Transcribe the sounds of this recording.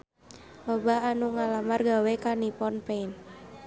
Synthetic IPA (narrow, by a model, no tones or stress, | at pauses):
lɔbaanuŋalamarɡawekanipɔnpen